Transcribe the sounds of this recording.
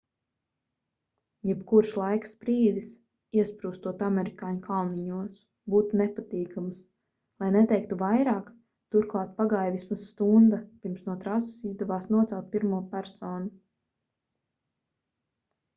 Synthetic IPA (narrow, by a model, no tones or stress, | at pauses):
jɛpkuɾʃlˠajkspɾiːd̪is | iɛspɾuːst̪uɔt̪amɛɾikaːɲkʰalˠniɲuɔs | buːt̪unɛpat̪iːkams | lˠajnɛt̪ɛjk̚t̪uvajɾɑːk | t̪uɾklˠɑːt̪̚paɡajvismasːt̪und̪apiɾmsnuɔt̪ɾasi̥sizd̪ɛvaːsnuɔt̪salˠt̪̚piɾmuɔpæɾsɔːnu